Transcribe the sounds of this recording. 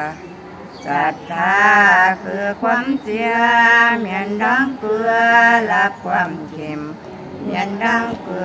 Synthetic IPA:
ka˧˩t̪ʰaː˧kʰɯː˧˩kʰwaː˧˥˨msi˧ɐmi˧˩əndɔː˧˥˩ŋkɯ˧ɐla˦˧˥p̚kʰwaː˧˩˨mkʰe˧˩m | mḭ˧˩ənda˧˥˩ŋkɯ˧

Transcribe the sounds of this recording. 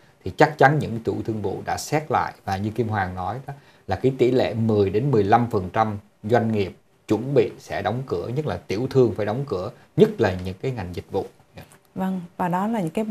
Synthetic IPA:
t̪ʰi˨˩t͡ɕa˦˥k̚t͡ɕa˨˦nɲɨ̰˧˥ŋkt̪ṵ˧˩t̪ʰɨ˧əŋvṵ˧˨ɗa̰ː˧˥sɛ˦˥t̚la̰ː˧˨jvaː˨˩ɲɨ˧ki˧əmɦwaː˨˩ŋnɔ˨˦j | laː˨˩kaː˨˦jt̪ḭ˧˩lḛ˧˩mɨ˨˩əjɗe˨˦nmɨ˨˩əjla˧mfə˨˩nt͡ɕa˧m | zwa˧jŋ̟ŋi˨˩əp̚ | t͡ɕwə˧˩nɓḭ˧˨sɛ̰˧˥ɗɔ˨˦wŋ͡mkɨ˧˩əɲə˦˥k̚laː˨˩t̪i˧˩əwt̪ʰɨ˧əŋfaː˧˩jɗɔ˨˦wŋ͡mkɨ˧˩ə | ɲɨ˦˥t̚laː˨˩ɲɨ̰˧˥ŋkaː˨˦jŋa˨˩jŋ̟zï˨˩k̟̚vṵ˧˨ | və˧ŋvaː˨˩ɗɔ˨˦laː˨˩ɲɨ̰˧˥ŋkaː˨˦

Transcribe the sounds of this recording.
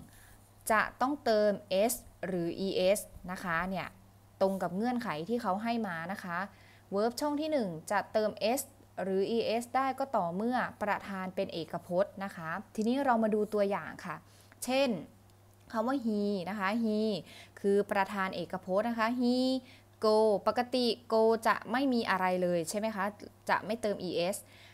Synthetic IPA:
t͡ɕa̰˨˩ʔt̪ɔ˥˩ŋt̪ɤː˧mʔe˦˥sɾɯː˩˦ʔiː˧ʔe˦˥sna˦˥kʰa˦˥ni˥˩ɐ | t̪o˧ŋka˨˩p̚ŋɯ˥˩ənkʰa˩˦jt̪ʰiː˥˩kʰa˦˥wɦa˥˩jmaː˧na˦˥kʰa˦˥ | wɤː˦˥p̚t͡ɕʰɔ˥˩ŋt̪ʰiː˥˩nɯ˨˩ŋt͡ɕa˨˩t̪ɤː˧mʔe˦˥s | ɾɯː˩˦ʔiː˧ʔe˦˥sdaː˥˩jkɔː˥˩t̪ɔː˨˩mɯ˥˩ɐpɾa˧t̪ʰaː˧npe˧nʔeː˨˩kːa˧pʰo˦˥t̪̚na˦˥kʰa˦˥t̪ʰiː˧niː˦˥ɾa˧wmaː˧duː˧t̪u˧ɐja̰ː˨˩ŋkʰa˥˩ | t͡ɕʰe˥˩n | kʰa˦˥waː˥˩ɦiː˧na˦˥kʰa˦˥ɦiː˧kʰɯː˧pɾa˧t̪ʰaː˧nʔeː˨˩kːa˧pʰo˦˥t̪̚na˦˥kʰa˦˥ɦiː˧ | koː˧pa˨˩ka˧t̪i˨˩koː˧t͡ɕa̰˨˩ʔma˥˩jmiː˧ʔa˧ɾa˧jlɤː˧jt͡ɕʰa˥˩jma˦jkʰa˦˥t͡ɕa̰˨˩ʔma˥˩jt̪ɤː˧mʔiː˧ʔe˦˥s

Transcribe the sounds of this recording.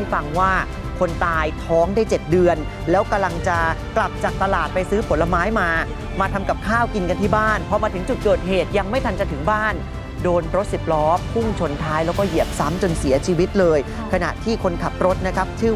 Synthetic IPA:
fa˧ŋwaː˥˩ | kʰo˧nt̪aː˧jt̪ʰɔː˦˥ŋdaː˥˩jt͡ɕe˨˩t̪̚dɯ˧ən | lɛː˦˥wka˧mla˧ŋt͡ɕa˨˩kla˨˩p̚t͡ɕa˨˩k̚t̪a˧laː˨˩t̪̚pa˧jsɯː˦˥pʰo˩˦lːa˧maː˦˥jmaː˧ | maː˧t̪ʰa˧mka˨˩p̚kʰaː˥˩wki˧nka˧nt̪ʰiː˥˩baː˥˩npʰɔ˧maː˧t̪ʰɯ˩˦ŋt͡ɕu˨˩t̪̚kɤː˨˩t̪̚ɦeː˨˩t̪̚ja˧ŋma˥˩jt̪ʰa˧nt͡ɕa˨t̪ʰɯ˩˦ŋbaː˥˩n | doː˧nɾo˦˥t̪̚si˨˩p̚lɔː˦˥p̚hu˥˩ŋt͡ɕʰo˧nt̪ʰaː˦˥jlɛː˦˥wkɔː˥˩ji˨˩əp̚sa˦˥mt͡ɕo˧nsi˩˦ɐt͡ɕʰiː˧wi˦˥t̪̚lɤː˧j | kʰa˧na̰˨˩ʔt̪ʰiː˥˩kʰo˧nkʰa˨˩p̚ɾo˦˥t̪̚na˦˥kʰa˦˥p̚t͡ɕʰɯː˥˩

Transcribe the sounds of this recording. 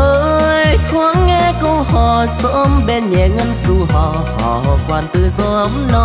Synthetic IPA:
ʔəː˨˧ʔjt̪ʰwa˧˦ŋːɛ˧kə˧whɔ˨˩sə˧mɓe˧nɲɛ˨˩˦ŋə˧nzu˧˩ɦɔ˧˨˩ | hɔ̰˧˨ɦɔ˨˩kwaː˨˩nt̪ɨ˨˩zɔ˧ʔə˨˦mnɔ˧˦

